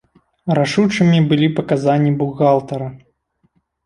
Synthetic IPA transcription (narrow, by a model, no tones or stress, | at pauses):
raʂut͡ʂɨmʲibɨlʲipɐkazanʲːibuɣalˠt̪ɐɾɐ